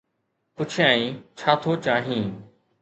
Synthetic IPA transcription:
pʊt͡ʃʰɪjãːĩːt͡ʃʰaːt̪ʰoːt͡ɕaːɦĩː

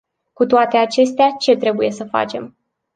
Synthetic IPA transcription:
kut̪oat̪e̞at͡ʃe̞st̪eat͡ʃe̞t̪ɾe̞buje̞səfa̰t͡ʃe̞m

